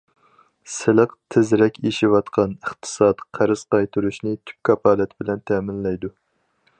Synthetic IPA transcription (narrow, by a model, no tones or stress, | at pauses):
sɪlˠɨqt̪ʰɪzɾɛkʲʰeʃiwɑt̪qʰɑnəχt̪ʰɨ̥sɑt̪qʰæɾɨz̥qɑjt̪ʰuɾuʃnɪt̪ʰy̥p̚kʲʰɑpɑːlˠɛt̪ʰɪbɪlɛnt̪ʰɛːmɪnlɛjd̪u